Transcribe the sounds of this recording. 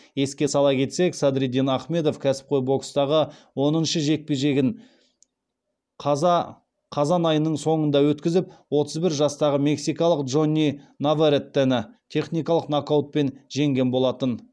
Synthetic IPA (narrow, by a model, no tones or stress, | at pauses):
je̞skʲe̞sɑlˠɑkʲʰe̞t̪se̞ksɑd̪ɾid̪inɑχme̞d̪o̞fkʲʰæsɪ̥p̚qʰo̞jbo̞kst̪ɑʁə | wo̞nənʃəʒe̞k̚pe̞ʒe̞ɡʲɪn | qʰɑ | qʰɑzɑnɑjənːəɴso̞ɴənd̪ɑwɵt̪kʲɪzɪp̚wo̞t̪əzbɪɾʒɑst̪ɑʁəme̞ksijkɑlˠəqdʒo̞nʲːinavaɾet̪ːænɪt̪ʲʰe̞χnijkɑlˠəqnakowt̪̚pe̞nʒe̞ŋɡʲe̞nbo̞lˠɑt̪ən